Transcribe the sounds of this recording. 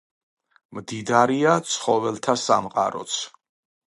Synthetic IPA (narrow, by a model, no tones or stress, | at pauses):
md̪id̪aɾiat̪sʰχɔvɛlˠt̪ʰasa̰mqʼaɾɔ̰t̪sʰ